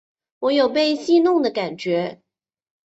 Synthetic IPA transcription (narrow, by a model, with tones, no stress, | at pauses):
wɔ˧˥jo˨˩ʊp̬e˥˧ɪɕi˥˧nʊ˥˩ŋd̪ə˩ka˨˩nt͡ɕɥɛ˧˥